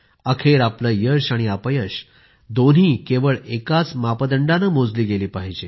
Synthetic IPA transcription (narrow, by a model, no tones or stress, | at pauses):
əkʰeɾapləːjəɕaɽ̃iəpəjəɕ | d̪on̤ɦiːkeʋəɭekat͡smapəd̪əɳɖanəmod͡zliːɡeliːpaɦid͡ʑe